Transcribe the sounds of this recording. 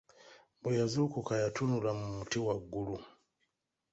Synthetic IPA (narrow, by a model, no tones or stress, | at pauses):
mbujazukukajatʰunulamumutiwaɡulu